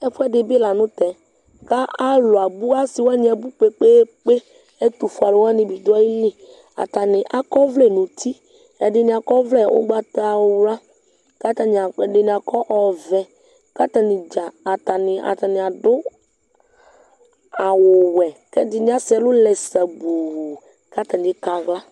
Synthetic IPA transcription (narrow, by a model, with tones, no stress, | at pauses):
ɛ˦ɸɛ˦ɖɪ˨bi˦la˨nʊ̃˦t̪ɛ˨ | ka˦a˦lo˨a˨bu˦a˦si˨wo˦a˦ɲĩ˦ɛ˨bu˦k͡pe˨k͡pe˦k͡pe˦ | e˦t̪u˨fu˨a˨lo˦wo˦a˦nɪ̃˨bi˨d̪a˦ji˦li˦ | a̰˨t̪a˨nɪ̃˨ʔa˦kɔ˦vlɛ˦˨nũ˨t̪ʰi˦ | ɛ˨ɖɪ˨nɪ̃˨a˨kɔ˦vlɛ˦wʔo̰˦ɡ͡ba˦t̪a˦˨wo˦wla˦ | ka˦t̪a˦ɲ˨a˨ɛ˨ɖɪ˨nĩ˨a˨kʰɔ˦ʔɔ˨vɛ˨ | ka˦t̪a˨nɪ̃˨d͡ʒa˨a˨t̪a˨nɪ̃˨a̰˨t̪a˨nɪ̃˨a˨d̪ʊ˦ | a˨wʊ˨wɛ˨kɛ˦dɪ˦nɪ̃˦a˦sɛ˨lʊ˦lɛ˨sa˨bu˨w | ka˦t̪a˨n˨ɪ˦ka˨ɣla˦